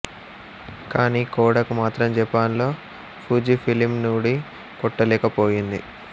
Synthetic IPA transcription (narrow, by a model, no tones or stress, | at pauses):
kaːniːkɔːɽɐkumaːt̪ɾɐmd͡ʒɛpːaːnlo̞ː | pʰuːd͡ʒipʰilimnuːɽi | kɔʈːɐlɛːkɐpoːjind̪i